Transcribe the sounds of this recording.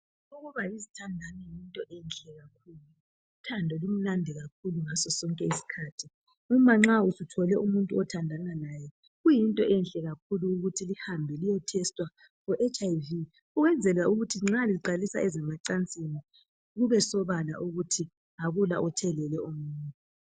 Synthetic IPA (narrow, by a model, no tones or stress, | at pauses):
uɣuβaizitʰandʱanɛjintʼɔʔɛnɬɛɣak̚ʰuːlu | itʰandʱɔlum̩landʱɛɣakʰuluŋasɔsɔŋkʼɛisi̥kʰaːtʰi | umaŋ͡ǁausutʰɔlɛʔumuntʼuɔtʰandʱananaːjɛ | ɣujintʼɔʔɛnɬɛɣakʰuluːɣutʰilihambʱɛlijɔtʰɛstʼwa | fɔʔɛt͡ʃʼajvi | uɣɛnd͡zʱɛlauɣutʰiŋ͡ǁaliǃalisa̰ɛzɛmaǀant͡sʼini | ɣuβɛsɔβala̰ʔuɣutʰi | aɣula̰ʔɔtʰɛlɛlɛumuːntʼu